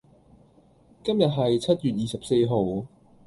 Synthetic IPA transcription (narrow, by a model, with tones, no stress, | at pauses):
kɐ˥mjɐ˨t̚ɦɐ˨jt͡sʰɐ˥t̚jyː˨t̚jiː˨sɐ˨p̚se˧jɦo˨w